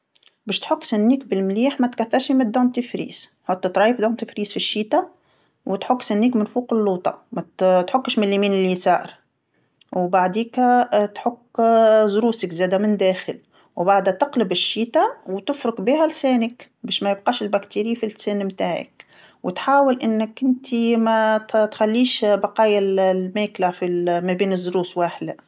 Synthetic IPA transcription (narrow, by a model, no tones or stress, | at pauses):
bæːʃt̪ħʊkːsænːiːkbɪlmliːħmæt̪kæθːɑɾˤʃimɪd̪ːont̪ifɾḭːs | ħot̪ˤːt̪ɾˤɑːjəfd̪oːnt̪əfɾiːsfiʃːiːt̪a | wɪt̪ħʊkːsænːiːkmɪnfuːqɪlːuːt̪ˤɑ̰mæt̪ħʊkːʃmɪlːimiːnɪlisa̰ːɾˤ | wbaʕd̪iːkt̪ħʊkːzɾuːsɪkzæːd̪æmɪnd̪æːxɪl | wbaʕd̪æt̪ɪqlɪbɪʃːiːt̪awt̪ɪfɾʊqbiːhælsæːnɪk | bæːʃmæjɪb̚qɑːʃɪlbækt̪iːɾifilsæːnmt̪aːʕɪ̰k | wʔɪt̪ħaːwɪlʔɪnːɪkʔɪnt̪ʰimæt̪t̪xælːiːʃbɑqɑːjallmæːklafilmæbiːnɪzːʊɾuːswaːħd̪a